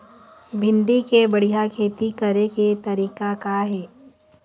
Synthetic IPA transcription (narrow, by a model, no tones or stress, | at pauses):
bʱɪ̃nɖ̪ikebɐɽ̤ijakʰeːt̪ikɐɾeket̪ɐɾiːkakaɦɛː